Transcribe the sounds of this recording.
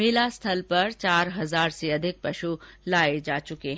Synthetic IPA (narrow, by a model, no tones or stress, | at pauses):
mɪːlast̪ʰɐlpɐɾt͡ʃaːɾɦɐzaːɾseɐd̪ʱɪk̚pɐʃulaːed͡ʒaːt͡ʃʊkeɦ